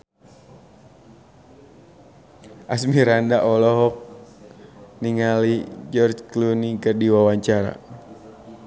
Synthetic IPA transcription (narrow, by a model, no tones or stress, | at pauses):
ʔasmiɾandaʔɔlɔɦɔk̚ | niŋalid͡ʒɔrd͡ʒklunikərdiwawaɲt͡ʃaɾa̰